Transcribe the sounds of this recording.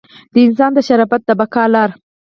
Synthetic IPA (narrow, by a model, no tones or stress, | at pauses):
d̪̥əɪnsɑnd̪əʃaɾɑfat̪̚d̪əbakɑlɑɾ